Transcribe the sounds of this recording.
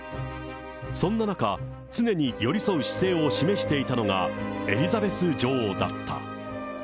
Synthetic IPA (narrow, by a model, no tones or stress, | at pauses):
sõ̞nːanaka | t͡sɨne̞ɲ̟ijo̞ɾʲiso̞ɯ̟ɕi̥se̞ːo̞ɕime̞ɕi̥t̪e̞it̪ano̞ɡa̰e̞ɾʲizabe̞sɨd͡ʑo̞ːd̪a̰t̪ːa̰